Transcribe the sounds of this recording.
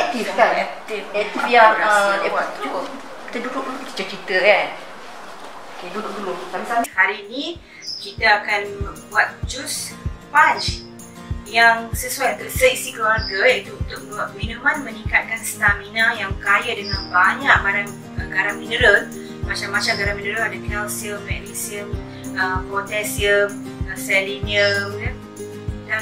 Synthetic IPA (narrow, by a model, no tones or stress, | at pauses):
ɛk̚t̪ifkanɛk̚t̪ifɛiaaat̪ | ki̥t̪əduɾʊʔ̚uukə̥t͡ʃat͡ʃit̪əja | okeduɾʊkdulʊsamsamhaɾiːnĩ | kit̪aakanəbuat̪̚d͡ʒuspat͡ʃ | jaŋsəsuajt̪usəisikəlarɡajãit̪uːnt̪ʊk̚aʔminumãnmə̃nikat̪̚kanst̪aminajaŋkajadəŋanbaɲaʔɡaɾaŋ | ɡaɾaŋmĩnəɾən | mat͡ʃamːat͡ʃamɡaɾaŋmĩndəɾənadakɛlsiəmːɛdisiəm | əpɔt̪ɛsiəm | sɛliniəmjə | da